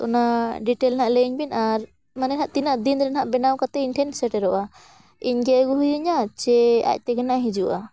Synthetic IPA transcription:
ɔ̰naɖiʈɛlnaʔlɛiɲbinaɾ | manɛnɦaʔt̪inaʔd̪ind̪ɾɛnɦaʔbɛnawkat̪ɛinʈʰɛnsɛʈɛɾɔʔa | iɲɡɛɡuɦujuɲat͡ʃɛa̰c̚ˀt̪ɛɡɛnaʔɦid͡ʒuʔa

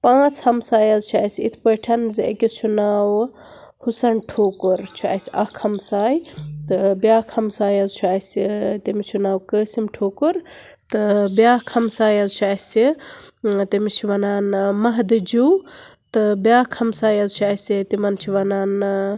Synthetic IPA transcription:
pãːt͡sʰhɐmsaːjɐzt͡ʃʰuaːsḭt̪ʰpəʈʰɐnziḛkit͡ʃʰunaːw | husɐnʈʰoːkuɾt͡ʃʰua̰ːsɐkʰhɐmsaːjt̪ɨbjaːkʰhɐmsaːjɐzt͡ʃʰuaːsʲit̪imit͡ʃʰunaːwkəːsimʈʰoːkuɾt̪ɨbjaːkʰhɐmsaːjɐzt͡ʃʰaːsi | t̪imit͡ʃʰiʋɐnaːnmɐɦd̪ɨd͡ʒuwt̪ɨbjaːkʰɐmsaːjɐzt͡ʃʰuaːsit̪imɐnt͡ʃʰiʋɐnaːn

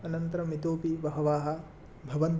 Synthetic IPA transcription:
ɐnɐnt̪ɐɾɐmit̪oːpiʋɐɦɐʋaːɦɐ | bʱɐʋɐnt̪

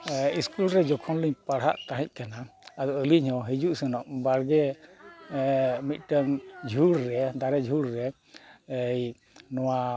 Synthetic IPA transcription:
iskulɾɛd͡ʒɔkʰɔnliɲpaɽɦa̰ʔt̪aɦĩc̚ˀkanaad̪ɔʔəliɲhɔɦid͡ʒuʔsənɔʔbaɽɡɛ | mit̪̚ˀʈəmd͡ʒʱuɽɾɛd̪aɾɛd͡ʒʱuɽɾɛ | əj | nɔwa

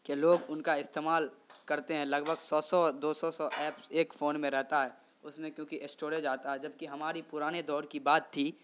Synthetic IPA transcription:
keloːɡʊnkaɪst̪eːmaːlkɐɾt̪eɦɛ̃lɐɡbʱəɡsɔːsɔd̪oːsɔsɔʔɛːpseːkfoːnmẽɾɛɦt̪aɦɛː | ʊsmẽkjõːkiʔɪsʈoːɾed͡ʒaːt̪aɦɛd͡ʒɐb̚kiɦɐmaːɾipʊɾaːned̪ɔːɾkibaːt̪ʰːi

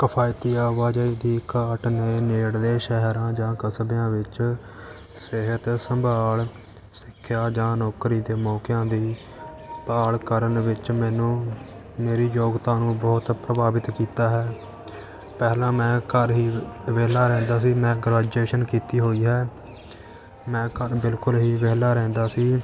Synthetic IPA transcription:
kəpʰaːɪt̪iːaːʋaːd͡ʒaiːd̪iːkaːʈneːneːɽd̪eːʃɛɦɾãːd͡ʒãːkəsbjãːʋɪt͡ʃ | sɪɦət̪səmbʱaːl | sɪkʰːjaːd͡ʒãːnɔːkɾiːd̪eːmɔːkɪjãːd̪iː | paːɭkəɾənʋɪt͡ʃmɛ̃ːnũː | meːɾiːjoːɡt̪ãːnũːbɔːt̪pɾəbaːʋɪt̪kiːt̪aːɦɛː | pɛːlãːmɛ̃ːkəɾɦiːʋeːlaːɾɛ̃ːnd̪aːsiːmɛ̃ːɡɾaːd͡ʒeːʃənkiːt̪iːɦoːiːɦɛː | mɛ̃ːkəɾbɪlkʊlɦiːʋeːlaːɾɛ̃ːnd̪aːsiː

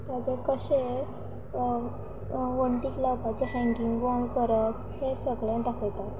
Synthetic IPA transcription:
t̪jat͡sekəɕe | ʋəɳʈiklawpat͡ɕeɦɛ̃ŋkiŋɡbɔ̃ŋɡkəɾəp | hesəɡɭẽd̪akʰəjt̪at̪

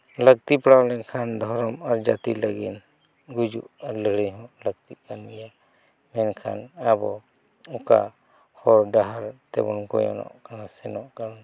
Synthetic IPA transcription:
ləɡ̚t̪ipɽawlɛnkʰand̪ʱɔɾɔmaɾd͡ʒat̪iləɡin | ɡud͡ʒuʔaɾləɽiɲɦɔ̃ʔləɡ̚t̪iʔkanija | mɛnkʰa̰nabɔ | ɔka̰ | hɔɾɖaɦaɾt̪ɛ̰bɔ̰nkɔjɔ̰nɔ̰ʔkanasɛnɔʔkaɾɔn

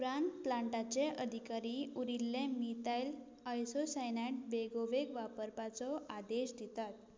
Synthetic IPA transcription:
uɾaɳplãɳʈat͡ɕeʔəd̪ʱikaɾiuɾilːẽmit̪ajl | ajsosajnaʈ̚beɡoʋeɡʋapəɾpat͡sɔʔad̪eɕd̪ʱit̪at̪̚

